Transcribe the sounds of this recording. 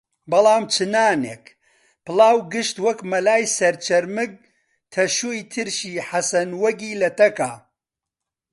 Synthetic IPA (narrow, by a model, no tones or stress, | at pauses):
bɐlˠaːmt͡ʃʰɨnaːneːk | pɨlˠɑːwɡɨʃt̪wɐkmɐlaːjsɐɾt͡ʃʰɐɾmɨɡ̚ | t̪ʰɐʃuːjt̪ʰɨɾʃiːħasɐnwɐɡiːlɐt̪ɐkaː